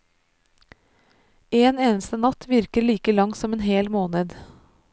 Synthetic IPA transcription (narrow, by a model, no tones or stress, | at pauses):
eːneːnəst̪ənɑt̪ʰʋɪɾkəɾɭiːkəlɑŋsɔmeːnheːlmoːnəd̪